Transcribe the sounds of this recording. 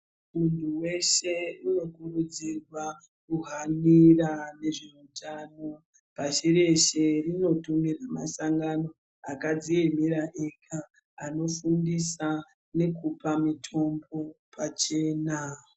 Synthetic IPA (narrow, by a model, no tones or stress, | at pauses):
muntʰuwe̞ʃe̞uno̞kurud͡zirwa | kuɦanirane̞ʐeutʰaːno | paʃiɾe̞ʃerino̞tumiramasaŋɡano̞ | akad͡ziemiɾaʔekʰaː | no̞fundisa | ne̞kupamitʰo̞mbo̞pʰat͡ʃe̞ːna